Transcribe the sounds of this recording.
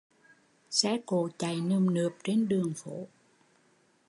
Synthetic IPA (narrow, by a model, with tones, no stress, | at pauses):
sɛ̰˧˥ko˧˩˦t͡ɕa˨˩jnɨ˨˩əmnɨ˨˩əp̚t͡ɕe˧nɗɨ˨˩əŋfo˧˦